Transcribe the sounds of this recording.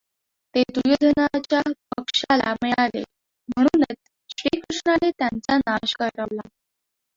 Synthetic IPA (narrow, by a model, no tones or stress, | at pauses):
t̪ed̪ujod̪ʱənat͡ɕjapəkʂala̰mealḛ | m̤əɽ̃uːnet͡s | ɕɾikɾuʂɳanet̪jant͡sanaɕkəɾɾəʋla